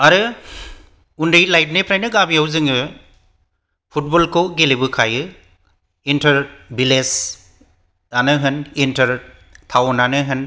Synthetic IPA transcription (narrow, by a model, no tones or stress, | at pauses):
aɾɯ | undɯjlajt̚nipʰɾajnɯɡamiawzɯŋɯ | pʰut̚bolkʰoɡelebɯkʰajɯ | intɐɾbiles | anɯɦɯnintɐɾ | tʰawnanɯɦɯn